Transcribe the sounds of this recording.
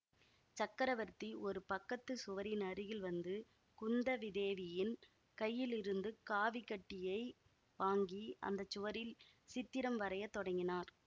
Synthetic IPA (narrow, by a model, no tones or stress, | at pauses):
t͡ʃɐkːɐɾɐʋɐɾt̪ːiʔɔɾɯpɐkːɐt̪ːɯsʊʋɐɾɪnɐɾɪɣɪlʋɐnd̪ɯ | kʊnd̪ɐʋɪðeːʋɪjɪn | kɐjːɪlɪɾɯnd̪ɯkaːʋɪkːɐʈːɪjɐɪ | ʋaːŋɡiɐ̰nd̪ɐt͡ʃːʊʋɐɾɪl | sɪt̪ːɪɾɐmʋɐɾɐjɐt̪ːɔɽɐŋɡɪnaːɾ